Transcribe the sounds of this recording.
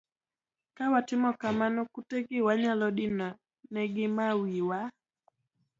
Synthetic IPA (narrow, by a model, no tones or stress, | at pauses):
kawatɪmɔkamanɔkutɛɡɪwaɲalɔɗɪna | nɛɡɪmawiwa